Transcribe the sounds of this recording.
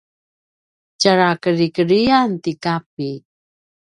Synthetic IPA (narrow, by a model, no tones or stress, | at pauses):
t͡ʃaɾakəɾikəɾiantikap̚i